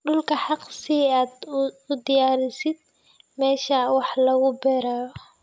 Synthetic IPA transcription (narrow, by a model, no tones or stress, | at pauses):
ɖʊlkʰɐħɑqsɪaːd̪ʊd̪ɪjaːɾɪsɪd̪̚ | mɛːʃɐwɑħlɐɣʊbɛɾaːjɔ